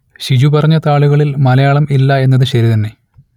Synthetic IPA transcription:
ɕid͡ʑupɐrɐɲːɐt̪aːɭuɣɐɭilmɐlɐjaːɭɐmilːɐe̞nːɐðɨɕɐɾit̪ɐnːe̞

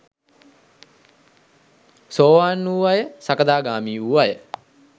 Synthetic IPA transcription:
soːʋaːnːuːʋajəsakəd̪aːɡaːmiːuʋajə

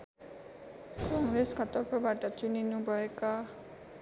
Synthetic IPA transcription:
kɔŋɾeskʰat̪ɔɾpɔbʱaɾʈat͡ɕuninubɔeka

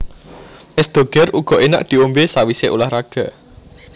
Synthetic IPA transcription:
ʔɛsd̪̥o̤ɡ̥ɛruɡ̥ɔ̤ʔena̰ʔd̪̥i̤ombesawiseʔṵlahraɡ̥a̤

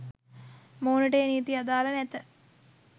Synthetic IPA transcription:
moːnəʈeːniːt̪iad̪aːlɐnɛt̪ə

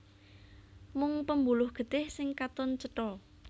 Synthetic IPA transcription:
mʊŋpəmbulʊhɡ̥ə̤t̪ɪhsɪŋkat̪ʊnt͡ʃəʈɔ

